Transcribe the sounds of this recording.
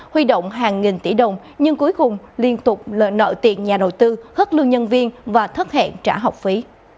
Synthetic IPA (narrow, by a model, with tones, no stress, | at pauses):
hwi˧ɗo̰˧˨wŋ͡mɦaː˨˩ŋŋi˨˩nt̪i˧˩ɗə˨˩wŋ͡m | ɲɨ˧ŋku˨˦jkʊ˨˩ŋ͡mli˧ənt̪ʊ˨˩k͡p̚ə̰˧˨nə̰ː˧˨jt̪ḭ˨˩ənɲaː˨˩ɗə˨˩wt̪ɨ˧xə˦˥t̚lɨ˧əŋɲə˧nvi˧ənvaː˨˩t̪ʰə˦˥t̚hɛ̰˧˨nt͡ɕaː˧˩ɦɔ˨˩wk͡p̚fi˨˦